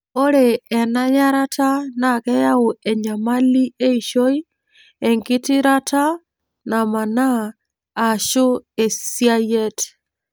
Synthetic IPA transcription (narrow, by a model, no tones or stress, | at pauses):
oɾeːnajaɾatanakɛjaoeɲamalieiʃoi | eŋɡitiɾata | namanaː | ʃoesiajete̥